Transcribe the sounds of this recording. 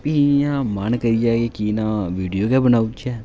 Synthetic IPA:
pijãːmənkəɾid͡ʒaːkekiːnãːʋiːɖijoːkɛbənaːut͡ʃʰɛː

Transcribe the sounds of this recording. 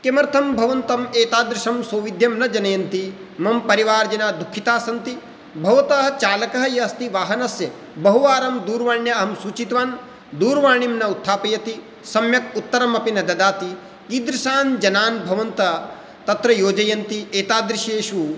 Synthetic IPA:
kemɐɾt̪ʰɐmbʱɐʋɐnt̪ɐmeːt̪aːd̪ɾiʃɐmsoːʋid̪ʱjɐmnɐd͡ʒɐnɐjɐnt̪i | mɐmpɐɾiʋaːɾd͡ʒɐnaːd̪ukʰːit̪aːsɐnt̪i | bʱɐʋɐt̪ɐɦɐt͡ʃaːlɐkɐɦɐjɐːst̪iʋaːɦɐnɐsjɐ | bɐɦuʋaːɾɐmd̪uːɾʋaːɳjɐɐɦɐmsuːt͡ʃit̪ʋaːn | d̪uːɾʋaːɳimnɐut̪ʰːaːpɐjɐt̪i | sɐmjɐkut̪ːɐɾɐmɐpinɐd̪ɐd̪aːt̪i | kid̪ɾiʃaːnd͡ʒɐnaːnbʱɐʋɐnt̪ɐ | t̪ɐt̪ɾɐjoːd͡ʒɐjɐnt̪ieːt̪aːd̪ɾiʃeːʃu

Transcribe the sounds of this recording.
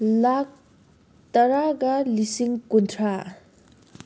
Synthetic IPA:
lak̚ | t̪ɐɾaɡalisiŋkuntʰɾa

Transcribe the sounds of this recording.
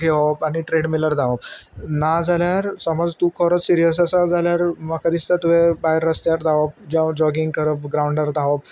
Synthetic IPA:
ɡeʋəpaniʈɾeɽmiləɾd̪aʋəbnad͡zʱaljaɾsəmɔd͡zt̪ukʰəɾət͡ssiɾijəs̬asad͡zaljaɾməkad̪ist̪at̪uʋebaɦeɾːəst̪jaɾd̪aʋəp̚d͡ʑad͡ʑɔɡiŋɡkəɾəpɡɾauɳɖəɾd̪aʋəp̚

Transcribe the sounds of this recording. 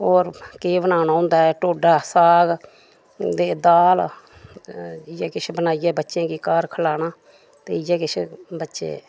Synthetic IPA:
oːɾkeːbənaːnãːɦõːnd̪aːɛːʈoːɖaːsaːɡ | d̪eːd̪aːl | ɪjɛːkɪt͡ʃʰbənaːijɛːbətːʃjẽːkiːkaːɾkʰəlaːnaː | t̪ḛːɪjɛːkɪt͡ʃʰbətːʃḛː

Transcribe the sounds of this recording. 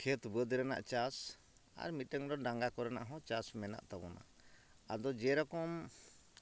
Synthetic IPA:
kʰɛt̪bəd̪ɾɛna̰ʔt͡ʃas | a̰ɾmit̪ʈəŋd̪ɔɖãŋɡakɔɾɛna̰ʔɦɔ̃t͡ʃasmɛna̰ʔt̪abɔna̰ | ad̪ɔd͡ʒɛɾɔkɔm

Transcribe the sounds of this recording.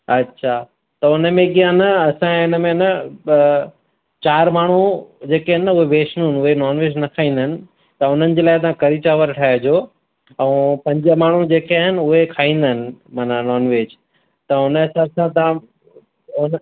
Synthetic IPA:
ɐtːɕʰaː | t̪ɐʊnə̆mẽɡijãnɐɐsãɪnəmẽnɐ | t͡ɕaːɾmaːɳ̤ud͡ʑeːkaːɦɪnːʊɦeʋeːʃnɪnʊɦenɔːnʋeːd͡ʑnɐkʰaːĩːn̆d̪əɪnɪ̆ | t̪ɐʊn̤ənɪ̆d͡ʑeːlaːɪt̪̬ãkɐɾit͡ɕaːʋəɾʈʰaːɦed͡ʑoː | ɛ̃ːpɐ̃ɲd͡ʑəmaːɳ̤ud͡ʑeːkeaɦɪnɪ̆ʊɦekʰaːĩːn̆d̪əɦɪnɪ̆maːnanɔːnʋeːd͡ʑ | t̪ɐʊnsɐbsãt̪ː | ʊn

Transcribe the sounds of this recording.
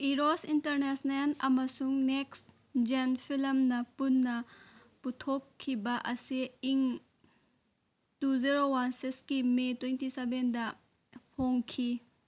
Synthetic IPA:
iɾosintɐɾnɛsnenɐmɐsuŋneks | d͡ʒenpʰilmnɐpunːɐ | putʰokʰːibɐʔɐsiiŋ | tuziɾowansikskimetwentisebendɐ | pʰoŋkʰi

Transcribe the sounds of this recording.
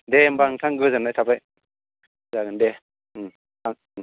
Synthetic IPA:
dembaŋtʰaŋɡɯzanajtʰapaj | zaɡɯnde | aŋ

